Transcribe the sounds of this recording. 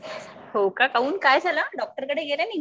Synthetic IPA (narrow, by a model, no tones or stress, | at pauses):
howkakauːnkajd͡zʱalaɖɔk̚ʈəɾkəɽeɡelani